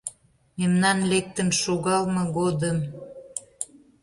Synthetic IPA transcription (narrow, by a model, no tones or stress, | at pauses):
memnɑnlek̚t̪ənʃoɣɑlmɤ̆ɣod̪əm